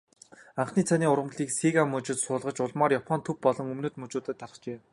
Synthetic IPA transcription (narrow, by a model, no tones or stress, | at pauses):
aɴχniːt͡sʰaniːʊɾwə̆mɮiːksiɣamɵt͡ɕɪ̆t̪sʊːɮʁə̆t͡ɕʊɮmɔːrjapʰɔnt̪ʰɵpːɔɮɞ̆ŋɵmnoːt̪mɵt͡ɕʊːt̪ɘ̆t̪ʰːaɾə̆χt͡ɕeː